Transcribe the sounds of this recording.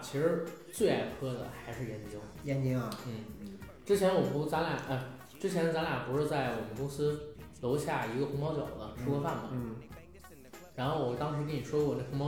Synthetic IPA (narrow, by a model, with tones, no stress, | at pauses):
t͡ɕʰi˧˥ʂɻ̩˧˥t͡swe˥˧ɪa˥˩ɪpʰɤ˥d̪ə̰˨xa˧˥ɪʂɻ̩˥˩jɛ˧˥nt͡ɕi˥jɛ˧˥nt͡ɕi˥ŋɐ˧n̩˥˩ | ʈ͡ʂɻ̩˥t͡ɕʰjɛ˧˥nwɔ˨˩pu˧˥t͡sa˧˥la˨˩˦ʔə˥˧˩ | ʈ͡ʂɻ̩˥t͡ɕʰjɛ˧˥nt͡sa˧˥nla˨˩pu˧˥ʂɻ̩˥˧t͡sa˥˩ɪwɔ˨˩mə˦kʊ˥ŋsɹ̩˥lo˧˥ʊɕja˥˩i˧˥ɡə˧xʊ˧˥ŋpɑ˥ʊt͡ɕjɑ̰˨˩ʊlə˦ʂʰu˥kɔ˥fa˥˩nbɐ̰˨˩ | ɻa˧˥nxo˥˩wɔ˨˩t̪ɑ˥ŋʂɻ̩˧˥kə˥ni˨˩ʂwu˧˩wne˥˩xʊ˧˥ŋpɑ˥